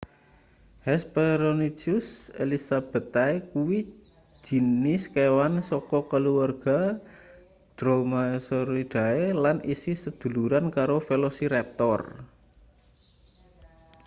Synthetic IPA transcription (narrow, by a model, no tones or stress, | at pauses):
hɛspeɾonit͡ʃusḛlisab̥ə̤t̪aekuwi̥ | d͡ʒ̥i̤nɪskewansɔkɔkəluwarɡ̥a̤ | d̪̥ɾomasoɾid̪̥a̤elanḭsisəd̪̥ṳluɾankaɾofelosiɾɛp̚t̪ɔr